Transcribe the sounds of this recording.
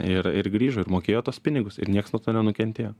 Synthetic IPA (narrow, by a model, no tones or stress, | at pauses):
ɪɾɪɾɡɾʲiːʒʊːɪɾmoːkʲeːjoːt̪uɔspʲɪnʲɪɡʊsɪ̰ɾnʲiɛksnuɔt̪oːnʲɛnʊkʲɛnʲt̪ʲeːjoː